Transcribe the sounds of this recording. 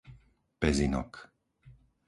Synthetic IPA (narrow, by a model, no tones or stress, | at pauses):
pɛzinɔ̰k